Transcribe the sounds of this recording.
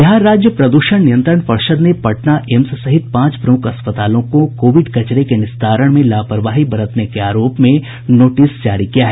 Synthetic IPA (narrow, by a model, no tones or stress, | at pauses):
jɐɦaɾaːd͡ʒjəpɾɐd̪uːʃəɳ̃nijə̃nt̪ɾəɳpɐɾʃəd̪nepɐʈnaʔɛmssɐɦɪt̪̚pãːt͡ʃpɾɐmʊkɐspət̪aːlõkokoːʋɪɖkɐt͡ʃɾekenɪsd̪ʰʱaːɾəɽ̃mẽlaːpəɾʋaːɦibɐɾət̪nekeaːɾoːpmẽ | noːʈɪsd͡ʒaːɾikijaɦɛː